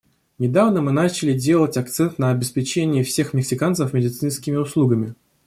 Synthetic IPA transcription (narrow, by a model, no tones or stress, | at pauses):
nʲɪd̪avnəmɨnat͡ɕɪlʲɪdʲe̞lˠətʲɐkt̪sɛnt̪nəɐbʲɪspʲɪt͡ɕenʲɪjəfsʲe̞xmʲɪksʲɪkant̪səfmʲɪdʲɪt̪sɨnskʲɪmʲɪʊslˠuɡəmʲɪ